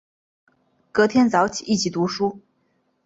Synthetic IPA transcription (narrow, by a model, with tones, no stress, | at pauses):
kɤ˧˥t̪ʰjɛ˥nt͡sɑ˧˥ʊt͡ɕʰi˨˩i˥˩t͡ɕʰi˨˩t̪u˧˥ʂu˥